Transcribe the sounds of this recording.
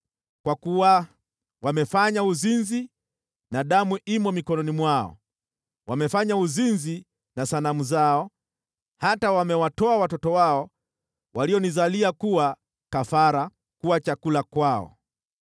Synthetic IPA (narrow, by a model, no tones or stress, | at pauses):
kwakuwa | wamɛfaɲauzinzi | naɗamuʔimɔmikɔnɔnimwaɔ̰ | wamɛfaɲauzinzi | nasanamuzaɔ | hatawamɛwatɔawatɔtɔwaɔ | waliɔnizaliakuwa | kafaɾa | kuwat͡ʃakulakwaɔ̰